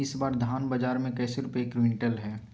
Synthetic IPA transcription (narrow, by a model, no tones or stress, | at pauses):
ɪsbaːɾd̪ʱaːnbad͡ʒaːɾmẽkɛːseɾʊpekɾʋɪ̃ɳʈəlɦɛː